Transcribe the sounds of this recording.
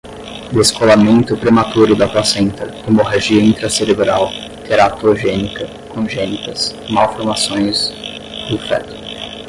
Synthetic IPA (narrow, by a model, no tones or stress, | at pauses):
d̪eskolamẽnt̪ʊpɾemat̪uɾʊd̪ɐplasẽnt̪ɐʊmoɦaʒiɐĩnt̪ɾɐseɾebɾaw | t̪ʰeɾat̪oʒẽnikɐ | kõʒẽnikɐsmawfoɾmasõj̃s | d̪ʊfɛ̰t̪ʊ̥